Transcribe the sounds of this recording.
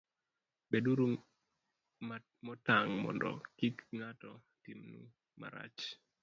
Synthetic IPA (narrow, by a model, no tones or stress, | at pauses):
beduɾu | mɔtaŋmɔ̰ndɔ̰kikŋatɔ | timnṵ | ma̰ɾa̰t͡ʃ